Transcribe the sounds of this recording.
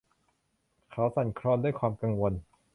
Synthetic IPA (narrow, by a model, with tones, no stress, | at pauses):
kʰa˦˥wsa˨˩nkʰɾɔː˧nduː˥˩jkʰwaː˧mka˧ŋwo˧n